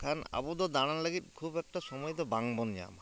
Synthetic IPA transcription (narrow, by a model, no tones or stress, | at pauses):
kʰana̰bɔd̪ɔd̪aɽ̃anlaɡit̪̚kʰubɛk̚ʈasɔmɔjt̪ɔbaŋbɔnd͡ʒa̰ma